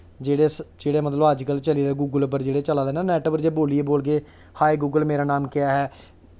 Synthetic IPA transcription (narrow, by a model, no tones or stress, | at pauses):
d͡ʒeːɽeːsd͡ʒeːɽeːmət̪ləbəd͡ʒkəlt͡ʃəliːd̪aːɡuːɡəlpəɾd͡ʒeːɽeːt͡ʃəlaːd̪eːnaːnɛːʈəbəɾd͡ʒeːboːliːeːboːlɡeː | haːiɡuːɡəlmeːɾaːnaːmkɪaːɦɛː